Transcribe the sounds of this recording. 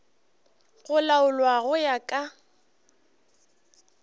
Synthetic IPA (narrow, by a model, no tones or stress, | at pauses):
ɣʊlaʊlwaɣʊjakʼa